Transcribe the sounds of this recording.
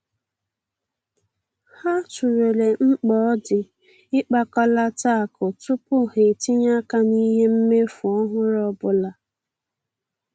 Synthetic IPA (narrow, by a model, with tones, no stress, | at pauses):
ha˦t͡ʃu˨ɾo˨le˨ŋ͡m̩˦k͡pɔ˨˦dɪ˨ | ɪ˦k͡pa˦kɔ˦la˦ta˦˨kʊ˨tʊ˦pʊ˦he˨ti˦ɲa˦ka˦ni˦ɦe˦m̩˦me˦fʊ˨ɔ˦ɦʊ˦ɾɔ˦bʊ˦la˨